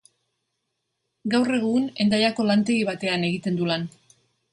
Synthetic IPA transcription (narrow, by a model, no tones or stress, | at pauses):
ɡawre̞ɣ̞une̞nd̪ajako̞lant̪e̞ɣiβat̪e̞ane̞ɣ̞it̪e̞nd̪ulan